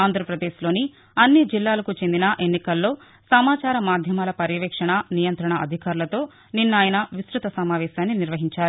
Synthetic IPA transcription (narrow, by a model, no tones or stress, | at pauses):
aːnd̪ʱɾɐpɾɐd̪eːʃlo̞ːni | ɐnːid͡ʒilːaːlɐkut͡ʃe̞nd̪inɐʔe̞nːikɐlːo̞ː | sɐmaːt͡ʃaːɾɐmaːd̪ʱjɐmaːlɐpɐɾjɐʋɛːkʂɐɳɐnijɐnt̪ɾɐɳɐɐ̰d̪ʱikaːɾulɐt̪o̞ː | ninːaːjɐnɐʋisɾut̪ɐsɐmaːʋɛːʃaːnːiniɾʋɐɦiɲt͡ʃaːɾu